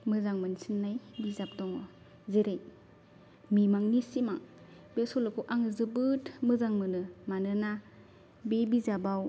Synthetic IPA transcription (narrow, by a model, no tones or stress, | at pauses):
mɯzaŋmɯnsinːajbizap̚dɔŋɔ | zeɾaj | mimaŋnisimaŋ | besɔlɯkʰuʔaŋɯzɯbɯtmɯzaŋmɯnɯmanɯna | bebizabaw